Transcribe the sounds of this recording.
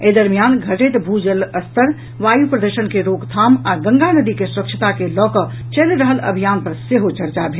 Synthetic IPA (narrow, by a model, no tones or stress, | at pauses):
ed̪əɾmijanɡʱəʈet̪bʱud͡ʒələst̪əɾ | ʋajupɾəd̪əɾʃənkeɾoɡt̪ʰaːmaɡə̃ŋɡanəd̪ikesuɾəkʃʰət̪akelɔːkə | t͡ʃelɾəɦələ̰bʱijaːnpəɾseɦot͡ʃəɾt͡ʃabʱe